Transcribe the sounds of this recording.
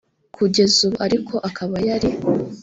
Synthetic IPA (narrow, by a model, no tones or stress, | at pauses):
kʰuɟe̞zuβuaɾikʰo̞ʔakʰaβajaɾi